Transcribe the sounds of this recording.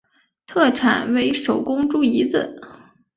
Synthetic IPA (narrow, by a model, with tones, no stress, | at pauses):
t̪ʰɤ˥˩ʈ͡ʂʰa˨˩nwe˧˥ɪʂo˨˩ʊkʊ˥ŋʈ͡ʂu˥˩i˧˥d͡z̩˧˩